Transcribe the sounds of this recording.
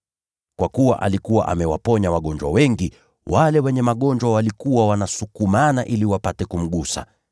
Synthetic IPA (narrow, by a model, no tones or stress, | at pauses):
kwakuwa̰ʔa̰likuwa̰ʔa̰mɛwa̰pɔɲawaɠɔɲd͡ʒwa̰wɛŋɡi | wʔalɛwɛɲɛmaɠɔɲd͡ʒwawalikuwawanasukumanaʔiliwapatɛkum̩ɠusa̰